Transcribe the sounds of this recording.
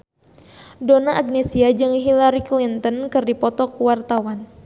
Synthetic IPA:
donaʔːɡ̚nesiad͡ʒɨŋɦilaɾiklint̪ənkɨrdipɔt̪ɔkuwart̪awan

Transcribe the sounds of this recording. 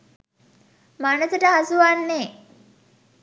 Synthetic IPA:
manəsəʈəɦasuʋanːe

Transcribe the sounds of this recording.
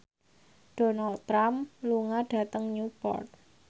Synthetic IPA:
ɖ̥ɔ̤nalt̪ːɾamluŋaɖ̥ä̤t̪əŋɲupɔ̰rt̪̚

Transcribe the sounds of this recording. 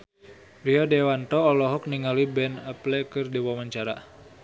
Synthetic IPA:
ɾiɔdewant̪ɔːlɔɦɔk̚niŋalibɛnəplɛkɨrdiwamaɲt͡ʃaɾa̰

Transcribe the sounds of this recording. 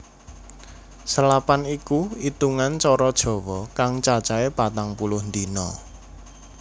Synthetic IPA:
səlapanikuit̪uŋant͡ʃɔɾɔd̥ʒ̥ɔ̤wɔkaŋt͡ʃat͡ʃaepat̪aŋpulʊhnd̪inɔ

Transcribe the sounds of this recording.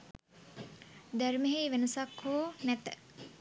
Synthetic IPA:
d̪æɾmeɦejʋenəsakhoːnæt̪ə

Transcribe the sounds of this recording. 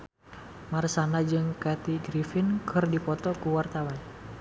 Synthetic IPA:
marsanad͡ʒɨŋkat̪iɡɾifɪnkʰɨrdipɔt̪ɔkuwart̪awan

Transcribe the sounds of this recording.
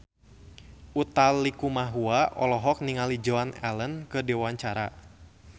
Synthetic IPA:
ʔut̪alːikumaɦuaʔɔlɔɦɔk̚niŋalid͡ʒɔanɛ̰lənkɨdiwaɲt͡ʃaɾa

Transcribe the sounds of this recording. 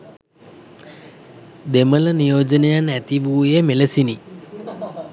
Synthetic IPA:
d̪emələnijoːd͡ʒənəjanæt̪iʋuːjemeləsini

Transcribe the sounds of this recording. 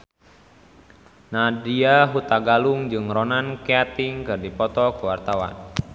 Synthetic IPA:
nadiaɦut̪aɡaluŋd͡ʒɨŋrɔnankeat̪ɪŋkɨrdipɔt̪ɔkəwart̪awa̰n

